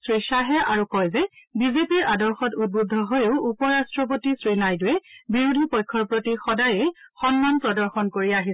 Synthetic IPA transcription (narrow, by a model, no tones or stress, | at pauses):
sɹiʃaɦɛʔaɹukɔjzɛbizepiɹʔadɔɹxɔtut̚budʱːɔɦojʊʊupɔɹastɹɔp̬otisɹinajdʊjɛbiɹudʱipɔjkʰːɔɹpɹotixɔdajejxɔnmanpɹɔdɔɹxɔnkoɹiaɦi